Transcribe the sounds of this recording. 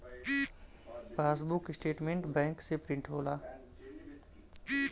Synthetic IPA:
paːsbʊkɪsʈeːʈmẽɳʈbɛ̃ːŋksepɾɪ̃ɳʈɦoːlaː

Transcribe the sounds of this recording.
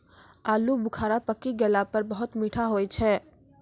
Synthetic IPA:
aːlubʊkʰaːɾapəkːiɡɛlapɐɾbɐɦʊt̪miːʈʰaɦoːit͡ʃʰɛː

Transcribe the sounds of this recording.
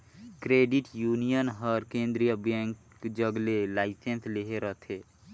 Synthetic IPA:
kɾeːɖiʈjuːnijənɦəɾkẽːnd̪ɾijəbɛ̃ːŋk | d͡ʒəɡlelaːɪsensleɦeɾət̪ʰeː

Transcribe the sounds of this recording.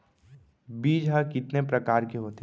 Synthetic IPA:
biːd͡ʒɦakɪt̪nepɾɐkaːɾkeɦoːt̪

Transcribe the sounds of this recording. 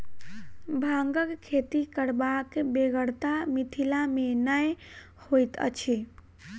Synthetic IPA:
bʱaŋɡəkkʰet̪ikəɽbakbeɡəɽt̪amit̪ʰilamenəj | hojt̪ə̰t͡ʃʰi

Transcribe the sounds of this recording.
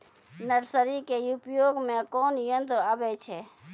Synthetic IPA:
nəɾsəɾikeupjoːɡmẽkɔːnjənt̪abɛt͡ʃʰɛ

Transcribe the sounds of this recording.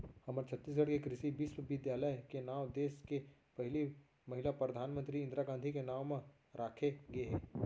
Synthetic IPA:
hɐməɾt͡ʃʰət̪ːiːs̬ɡɐɽkekɾɪʃibiːswʋɪd̪jaːləjkenaːwd̪eːskepɐɦɪli | mɐɦɪlapɾəd̪ʱaːnmə̃nt̪ɾiɪ̃nd̪ɾaɡãːnd̪ʱikenaːwmẽ | ɾʔaːkʰeɡɐeɦɛː

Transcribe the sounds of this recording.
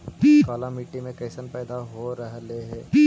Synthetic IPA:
piːkaːlamiːʈːimẽkɐːsənpɛːd̪aɦoɾɐɦleɦɛːpi

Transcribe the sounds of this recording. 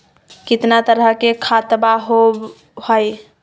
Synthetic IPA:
kit̪nat̪əɾəɦkekʰat̪baɦob | həj

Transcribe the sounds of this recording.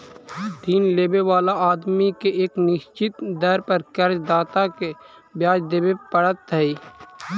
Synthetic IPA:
d̪ʱiːnleːbewaːlaaːd̪mikeʔeːknɪʃt͡ʃɪt̪d̪əɾpəɾkəɾd͡ʒd̪aːt̪ake | bjaːd͡ʒd̪eːbepəɽət̪ːəiː

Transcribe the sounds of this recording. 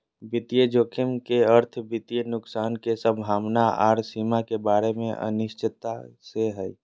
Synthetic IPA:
bɪt̪ijed͡ʒoːkʰɪmkeəɾt̪ʰbit̪ijenʊksaːnkesəbʱaːmnaa̰ːɾsiːmakebaːɾemḛ̃ʔə̰nɪʃt͡ʃɪt̪ːaseɦɛj

